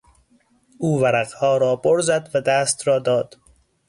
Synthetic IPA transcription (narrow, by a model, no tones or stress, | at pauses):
uːvæɾæqhɒːɾɒːboɾzæd̪væd̪æːst̪ɾɒːd̪ɒːd̪̥